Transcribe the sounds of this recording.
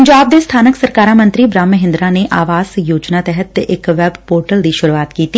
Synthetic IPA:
ɲd͡ʒaːb̚d̪est̪ʰaːnəksəɾkaːɾamə̃nt̪ɾibɾaːmːəɦɪ̃nd̪ɾaneʔaːʋaːz̥joːd͡ʒnat̪ɛɦət̪ɪkʋɛbpoːɾʈəld̪iʃʊɾuaːt̪kiːt̪ː

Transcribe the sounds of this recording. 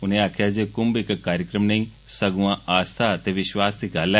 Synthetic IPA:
ʊnẽaːkʰjad͡ʒekʊmbɪkkːaːɾjəkɾəmneĩsɐɡuʋãaːst̪ʰat̪eʋɪʃwaːst̪iɡaːla

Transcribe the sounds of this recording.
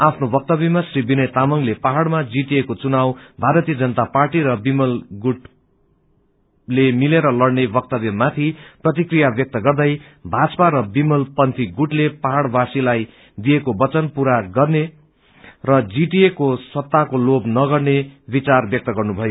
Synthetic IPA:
apʰnobʌk̚t̪ʌbimasribinʌjt̪amʌŋlepaɦaɽmad͡ziʈiekot͡sunawbʱaɾʌt̪ijʌd͡zʌnʌt̪aparʈiɾʌbimʌlɡuʈ | lemileɾʌlʌɽnebʌk̚t̪ʌbimat̪ʰiprʌt̪̬ikrijabjʌk̚t̪ʌɡʌrd̪ʌj | bʱat͡sʌpaɾʌbimʌlpʌnt̪ʰiɡuʈlepaɦaɽbasilaj | d̪ijekobʌt͡sʌnpuɾaɡʌrne | rʌd͡ziʈiekoswʌt̪ːakolobnʌɡʌrnebit͡sarbjʌk̚t̪ʌɡʌrnubʱʌjo

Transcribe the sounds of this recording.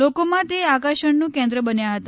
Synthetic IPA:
lokomãt̪eakaʃəɳnũkɛ̃nd̪ɾəbənjaɦət̪a

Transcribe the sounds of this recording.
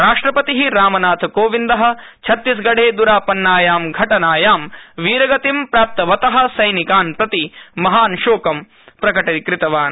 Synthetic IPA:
ɾaːʂʈɾɐpɐt̪iɦiɾaːmɐnaːt̪ʰɐkoːʋind̪ɐɦɐ̆ | t͡ʃʰɐt̪ːis̬ɡɐɽʱeːd̪uɾaːpɐnːaːjaːmɡʱɐʈɐnaːjaːmʋiːɾɐɡɐt̪impɾaːp̚t̪ɐʋɐt̪ɐɦɐ̆sɐjnikaːnpɾɐt̪imɐɦaːnʃoːkɐm | pɾɐkɐʈɐkɾɪt̪ɐʋaːn

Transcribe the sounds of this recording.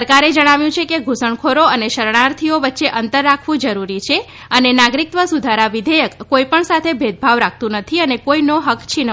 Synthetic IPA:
əɾkaɾed͡ʒəɽ̃aʋjũt͡ʃʰekeɡʱusəɳkʰoɾoəneʃəɾɳ̃aɾt̪ʰioʋətːʃeʔənt̪əɾːakʰʋũd͡ʒəɾuɾit͡ʃʰe | ənenaɡɾik̚t̪ʋəsud̪ʱaɾaʋɪd̪ʱəjəkːoipəɳsat̪ʰebʱed̪̚ʱbʱaʋɾak̚ʰt̪ũnət̪ʰiənekoinoɦəkt͡ʃʰinə

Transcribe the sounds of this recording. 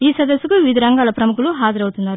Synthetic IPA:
iːsɐd̪ɐsːukuʋid̪ʱiɾɐŋɡaːlɐpɾɐmukuluɦaːd͡ʒɐɾɐwut̪unːaːɾu

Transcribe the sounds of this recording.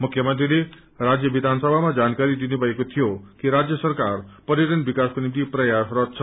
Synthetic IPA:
mukʰːjʌmʌnt̪ɾile | ɾad͡zjʌbid̪ʱansʌbʱamad͡zankaɾid̪inubʱʌɦekot̪ʰijokiɾad͡zjʌsʌrkarpʌɾiɾʌnbikaskonimt̪iprʌjasrʌt͡sʰʌ

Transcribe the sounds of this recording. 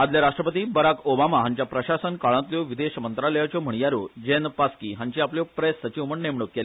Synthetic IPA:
ad̪ljaɾaʂʈɾəpət̪iːbəɾakobamaɦaɲt͡ɕjapɾəɕasənkaɭãt̪ljoʋid̪eɕmənt̪ɾaləjat͡ɕom̤əɳ̃jaɾod͡ʑenpaskiɦaɲt͡ɕiapljopɾesːət͡ɕiʋməɳnemɳokːel

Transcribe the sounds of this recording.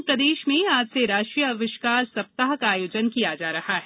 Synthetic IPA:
pɾɐd̪eːʃmẽaːd͡ʒseɾaːʃʈɾijəɐʋɪʃkaːɾsɐp̚t̪aɦkaːjoːd͡ʒənkijad͡ʒaːɾɐhaɦɛ

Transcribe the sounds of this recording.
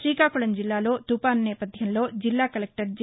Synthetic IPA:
ʃɾiːkaːkuɭɐnd͡ʒilːaːlo̞ːt̪upaːnnɛːpɐd̪ʱjɐmlo̞ːd͡ʒilːaːkɐlek̚ʈɐɾd͡ʒ

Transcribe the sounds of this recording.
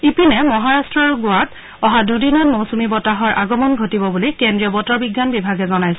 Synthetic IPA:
ipinɛmɔɦaɹastɹɔɹɡʊat | ɔɦadudinɔnmowsumibɔtaɦɔɹʔaɡɔmɔnɡʱotibɔbulijkendɹiɔbɔtɔɹbiɡjanbibʱaɡɛzɔnajsɔ

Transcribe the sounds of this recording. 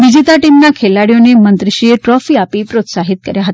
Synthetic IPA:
ʋid͡ʑit̪aʈimnakʰelaɽjonemənt̪ɾiɕieʈɾɔfiːapiːpɾot̪saɦit̪̚kəɾjaɦət̪

